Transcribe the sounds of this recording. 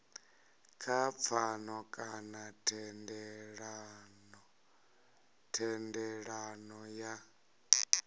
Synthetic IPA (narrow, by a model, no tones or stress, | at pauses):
kʰap̪fʰanɔkʼanatʰɛndɛɺanɔ | tʰɛndɛɺanɔja